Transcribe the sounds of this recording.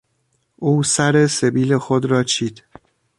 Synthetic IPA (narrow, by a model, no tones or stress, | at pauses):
ʔuːsæɾe̞se̞biːlexod̪ɾɒːt͡ʃʰiːd̪̥